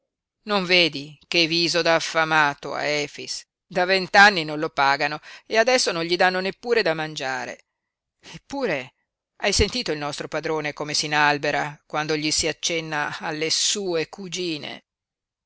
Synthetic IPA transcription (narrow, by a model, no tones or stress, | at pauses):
noɱveːd̪ikeviːzod̪aːfːamaːt̪oa̰ɛːfis | d̪avent̪anːinonlopaːɡanoead̪ɛsːonoɲʎid̪anːonepːuːɾed̪amand͡ʒaːɾḛ | epːuːɾe | ajsent̪iːt̪oilnɔst̪ɾopad̪ɾoːnekoːmesinalbeɾakwand̪oʎisiat͡ʃːɛnːaːlːesuːekud͡ʒiːnḛ